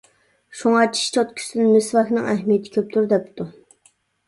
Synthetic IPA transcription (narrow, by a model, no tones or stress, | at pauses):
ʃuŋɑt͡ʃʰi̥ʃt͡ʃʰɑt̪̚kʲʰy̥sd̪ɪnmɪsvɑxnɨŋɛɦmijet̪ʰɪ̥kʲʰøp̚t̪ʰyɾd̪ɛp̚t̪u